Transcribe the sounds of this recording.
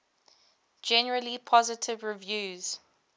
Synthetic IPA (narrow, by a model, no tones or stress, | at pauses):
d͡ʒɛnəɹəlipʰɔzɪtʰɪvɹivjuːz̥